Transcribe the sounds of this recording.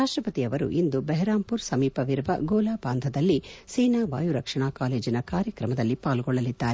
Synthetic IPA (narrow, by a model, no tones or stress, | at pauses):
ɾaːʂʈɾɐpɐt̪iɐʋɐɾṵʔind̪ubɛɦɛɾaːmpuɾsɐmiːpɐʋiɾʋɐ̰ɡoːlaːbaːnd̪ʱɐd̪ɐlːisɛjnaːʋaːjuɾɐkʂɐɳaːkaːle̞ːd͡ʒinɐkaːɾjɐkɾɐmɐd̪ɐlːipaːlɡɔɭːɐlid̪ːaːɾe